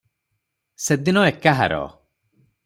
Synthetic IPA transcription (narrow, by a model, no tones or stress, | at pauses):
sed̪inɔekaɦa̰ɾɔ̰